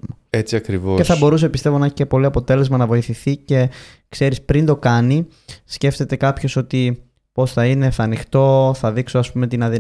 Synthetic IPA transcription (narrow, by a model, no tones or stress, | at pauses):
mɐ | et͡siɐkɾivoceθɐbo̞ɾus̬e̞pist̪e̞vo̞nɐeçi̥cepo̞liɐpo̞t̪e̞le̞zmɐnɐvo̞iθiθice̞ | kse̞ɾispɾind̪o̞kɐni | sce̞ft̪e̞t̪e̞kɐpço̞so̞t̪i | po̞sθɐine̞θɐnixt̪o̞θɐðiksoɐspume̞t̪inɐði